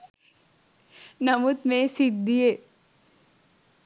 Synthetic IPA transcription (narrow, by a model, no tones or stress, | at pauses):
nɐmʊt̪mẽsɪd̪̚d̪ijeː